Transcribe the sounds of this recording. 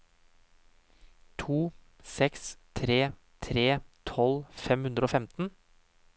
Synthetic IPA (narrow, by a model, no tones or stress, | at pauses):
t̪ʰuː | sɛkst̪ʰɾeː | t̪ʰɾeːt̪ʰɔlfɛmhʉnd̪ɾəoːfɛmt̪n̩